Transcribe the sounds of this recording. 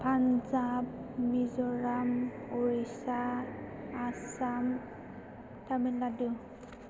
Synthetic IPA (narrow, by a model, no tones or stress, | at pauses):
pʰanzapmizɔɹamoɹisaː | sam | taminladu